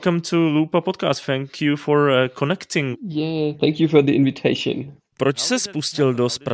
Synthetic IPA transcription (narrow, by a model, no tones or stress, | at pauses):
kãmt̪ʰuluːpapɔt̚ka̰ːst̪θɛ̃ŋkʰjufɔɹkʰonɛktɪ̃ŋjæθɛ̃ŋkjufɔðiʔɪ̃nvɪtʰeɪʃə̰̃n | pɾot͡ʃsɛspuscɪldospɾ